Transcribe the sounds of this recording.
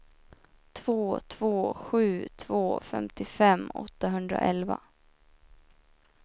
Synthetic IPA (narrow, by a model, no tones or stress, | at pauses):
t̪ʰv̥oːt̪ʰvoːɧʉ̟ːt̪ʰvoːfɛ̰mt̪ɪfɛmːɔ̰t̪ːaɦɵnd̪ɾa̰ʔɛlva̰